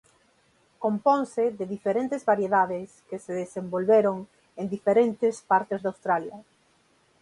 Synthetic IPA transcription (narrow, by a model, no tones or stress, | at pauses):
kompõŋseðeðifeɾent̪ezβaɾjeðaðɪskeseðesembolβeɾoŋ | end̪ifeɾent̪ɪspaɾt̪ezðawst̪ɾaljɐ